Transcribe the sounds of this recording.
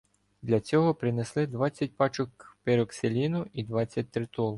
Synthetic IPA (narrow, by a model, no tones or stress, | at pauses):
d̪lʲɐt͡sʲɔɦɔpɾɪneslˠɪd̪ʋɑt͡sʲːɐt̚ʲpɑt͡ʃɔkpeɾɔkselʲinʊid̪ʋɑt͡sʲːɐt̚ʲt̪ɾɪt̪ɔlˠ